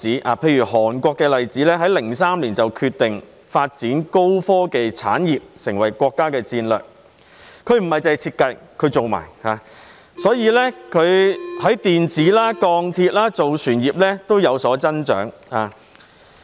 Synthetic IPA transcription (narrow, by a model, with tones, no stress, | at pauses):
iː˨˥ʔa̰ː˨˧pʰe˧jɥyː˨˩ɦɔː˨˩nkʷɔː˧kːɛː˧lɐ˨jt͡siː˨˥lɛː˥ɦɐ˨˥jlɪ˨˩ŋsaː˥mliː˨˩nt͡sɐ˨wkʰyː˧t̪ɪ˨ŋ | faː˧t̚t͡siː˨˥nko˥wfɔː˥ke˨˧jt͡sʰa̰ː˨˥njiː˨˩p̚sɪ˨˩ŋwɐ˨˩jkʷɔː˧kːaː˥kɛː˧t͡siː˧nlœ̰ː˨k̚ | kʰɵ˨˧ɥm̩˨˩hɐ˨jt͡sɐ˨jt͡sʰiː˧t̚kɐ˧jkʰɵ˨˧ɥt͡so˨wma̰ː˨˩jhaː˨˧ | sɔː˨˥jiː˨˧lɛː˥kʰɵ˨˧ɥhɐ˨˥jt̪iː˨nt͡siː˨˥laː˥kɔː˧ŋt̪ʰiː˧t̚laː˥t͡so˨wsʰyː˨˩njiː˨˩p̚lɛː˥t̪o˥wjɐ˨˧wsɔː˨˥t͡sɐ˥nt͡ʃœ̰ː˨˥ŋhaː˨˧